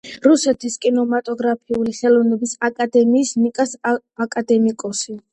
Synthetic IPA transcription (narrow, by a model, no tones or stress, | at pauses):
ɾusɛt̪ʰiskʼinɔmat̪ʼɔɡɾapʰiuliχɛlˠɔvnɛbisakʼad̪ɛmiːsmikʼas | akʼad̪ɛmikʼɔsi